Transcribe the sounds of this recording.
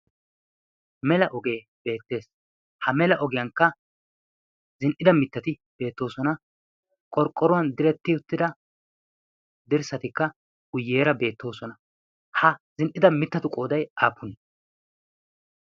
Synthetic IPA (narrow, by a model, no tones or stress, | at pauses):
mɛlɐʔɔɡe̞ː | b̥e̞ːt̪ːe̞ːs | hɐmɛlɐʔɔɡɪjɐŋkːɐ | zɪnʔɪd̪ɐmɪt̪ːɐt̪ɪ | b̥e̞ːt̪ːo̞ːsɔnɐ | kʼɔɾkʼːɔɾʊwɐnd̪ɪɾɛt̪ːɪʊt̪ːɪd̪ɐ | d̪ɪɾsɐt̪ɪkːɐ | ɡ̥ʊjːe̞ːɾɐbe̞ːt̪ːo̞ːsɔnɐ | hɐzɪnʔɪd̪ɐmɪt̪ːɐt̪ʊkʼo̞ːd̪ɐjʔaːpːʊn